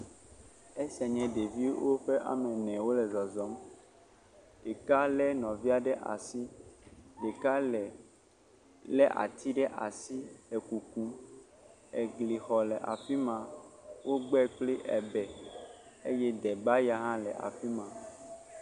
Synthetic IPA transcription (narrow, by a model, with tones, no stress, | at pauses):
e˦sɛ˨ɲɛ̃˨ɖe˨vi˦wo˦ɸe˦ʔa̰˨mɛ̃˨nɛ̃˨wo˦lɛ˨zɔ˨zɔ˦m | ɖ̥e˨ka˦lɛ˦nɔ̃˨vi˦a˦ɖɛ˦ʔa̰˨si˦ | ɖe˨ka˦lɛ˨ | lɛ˦ʔa̰˨t̪ʰi˦ɖɛ˦ʔa̰˨si˦lɛ˨ku˨ku˦ | e˨ɡli˨xɔ˨lɛ˨ʔa̰˨fi˦mã˨wʔo˦ɡ͡bɛ˦k͡pli˦ʔɛ˨bɛ˨ | e˦jɛ˦d̪ɛ˨ba˦ja˦ɦã˦lɛ̰˨ʔa̰˨fi˦mã˨